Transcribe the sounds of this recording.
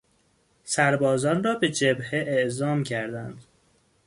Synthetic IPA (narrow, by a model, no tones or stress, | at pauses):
sæɾbɒːzɒːnrɒːbe̞d͡ʒebheʔeʔzɒːmcʰæɾd̪ænd̪̥